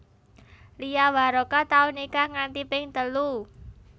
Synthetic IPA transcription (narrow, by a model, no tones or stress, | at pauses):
lijawaɾokat̪aunikaŋant̪ipɪŋt̪əlu